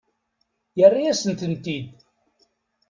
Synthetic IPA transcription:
jərːiæsənt̪ənt̪id̪

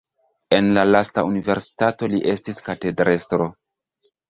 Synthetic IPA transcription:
e̞nlalastaunive̞ɾsi̥tato̞liʔe̞stiskate̞dɾe̞stɾo̞

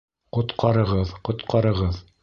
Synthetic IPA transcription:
qŏt̪qɑɾɤ̆ʁɤðqŏt̪qɑɾɤ̆ʁɤð

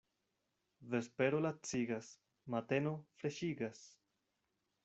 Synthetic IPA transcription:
ve̞spe̞ɾolat͡siɡas | mat̪e̞no̞fɾe̞ʃiɡas

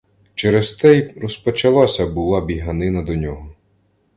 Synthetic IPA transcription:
t͡ʃɛɾest̪ɛjrɔspɔt͡ʃɐlˠɑsʲɐbʊlˠɑbʲiɦɐnɪnɐd̪ɔnʲɔɦɔ

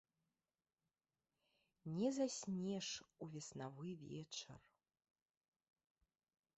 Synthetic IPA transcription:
nʲɛzasʲnʲɛʂuvʲɛsnavɨvʲɛ̰t͡ʂɐ̰r

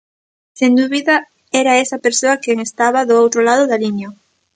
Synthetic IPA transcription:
send̪uβiða | ɛɾaesɐpeɾsoakeŋest̪aβaðʊowt̪ɾolaðʊðalinjo

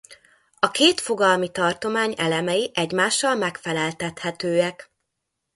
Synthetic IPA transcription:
ɒkeːt̪fo̞ɡɒlmit̪ɒrt̪o̞maːɲɛlɛmɛjiʔɛɟmaːʃːɒlmɛkfɛlɛlt̪ɛt̪hɛt̪øːɛk

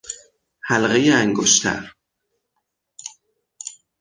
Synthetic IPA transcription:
hælɣejeæŋɡoʃt̪ʰæ̰ɾ

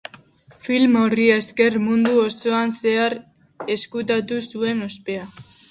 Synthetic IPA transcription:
filmo̞rieske̞rmund̪uoso̞anse̞aɾ | e̞skut̪at̪usue̞no̞spe̞a

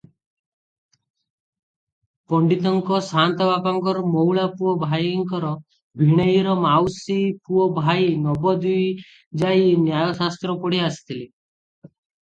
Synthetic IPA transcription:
pɔɳɖit̪ɔŋkɔsant̪ɔbapaŋkɔɾɔmɔwɭapuɔbʱajŋkɔɾɔ | bʱiɽ̃ejiɾɔmawsipuɔbʱajnɔbɔd̪uj | d͡ʒajnjajɔsast̪ɾɔpɔɽiasi̥t̪ʰili

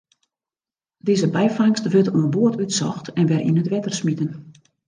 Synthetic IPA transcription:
deːzəbɛjfaŋstʋøtoənboətytsɔxtʰɛnʋɛrʔḭnətʋɛtərsmitən

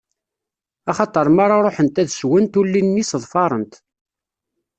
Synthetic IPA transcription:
ɑχɑt̪ˤəɾˤmaɾˤaɾˤoħənt̪æðswənt̪ulːinːisəðˤfɑɾˤənt̪

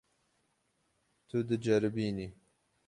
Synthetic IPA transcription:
t̪ʰud̪ɨd͡ʒɐɾɨbiːni

